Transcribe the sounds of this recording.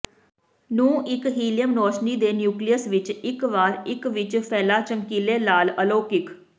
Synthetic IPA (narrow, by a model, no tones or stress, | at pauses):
nũːʔɪkɦiːlɪjəmnɔːʃniːd̪eːnjuːklijəsʋɪt͡ʃɪkʋaːɾɪkʋɪt͡ʃpʰɛːlaːt͡ʃəmkiːleːlaːləloːkɪkʰ